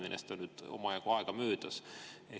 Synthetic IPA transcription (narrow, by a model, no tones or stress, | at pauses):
menʔest̪onnyd̪̥o̰mɑjɑɡ̥uɑeɡ̥ɑmøːd̪̥ɑse